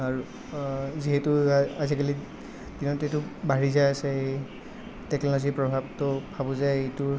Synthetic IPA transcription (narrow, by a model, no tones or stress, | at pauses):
aɹu | ziɦɛtʊazikali | dinɔtetʊbaɹizaasɛ | tɛknɔlɔzipɹɔbʱab̚tɔbʰʱabɔzajejtʊ